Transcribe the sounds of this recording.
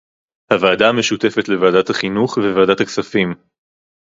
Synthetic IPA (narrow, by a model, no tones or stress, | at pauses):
havaːdaːmeʃute̞fet̪le̞vaaːdat̪haχinuχvevaːdat̪haksafim